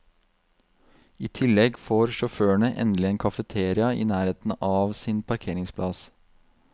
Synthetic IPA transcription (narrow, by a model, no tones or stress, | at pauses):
iːt̪ʰɪlːɛɡfoːɾʃʊføːəɳəʔɛ̰nlɪeːnkʰɑfət̪ʰeːɾɪɑḭːnæːɾeːt̪n̩ɑːʋsɪnpʰɑɾkʰeːɾɪŋspʰlɑs